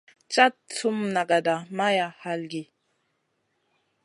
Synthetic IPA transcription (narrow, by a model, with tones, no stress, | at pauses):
t͡ʃa˦tt͡su˦mna˨ɡa˨da˨ma˦ja˨ha˨lɡi˨